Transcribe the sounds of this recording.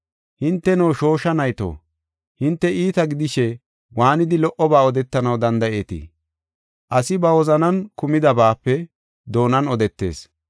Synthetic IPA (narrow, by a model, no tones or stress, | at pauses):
hɪnt̪ːɛnowʃo̞ːʃɐnɐjt̪o̰ː | hɪnt̪ːɛʔiːt̪ɐɡɪd̪ɪʃɛ | waːnɪd̪ɪlɔʔɔbaːɔd̪ɛt̪ːɐnɐwd̪ɐnd̪ɐe̞ːt̪ḭ | ʔɐsɪbɐwɔzɐnɐnkʊmɪd̪ɐbaːpːɛ | d̪o̞ːnɐnɔd̪ɛt̪ːe̞̰ːs